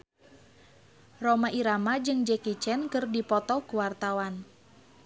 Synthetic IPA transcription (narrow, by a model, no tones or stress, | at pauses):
romaʔiɾamad͡ʒɨŋd͡ʒɛkit͡ʃɛnkɨrdipɔt̪ɔkuwart̪awan